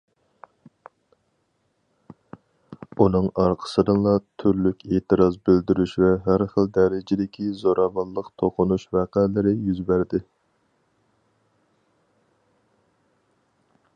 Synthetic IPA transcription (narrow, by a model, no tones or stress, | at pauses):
unɨŋɑɾqʰə̥sɨd̪ɨŋlˠɑt̪ʰyɾlykʲeːt̪ɨɾɑzbɪld̪yɾyʃvɛɦæɾχəld̪ɛɾɪd͡ʒɪd̪ɪkʲʰizoɾʔɑvɑllˠːəqt̪ʰoqʰʊnuʃvæqælɪɾɪjyzbæɾd̪ɪ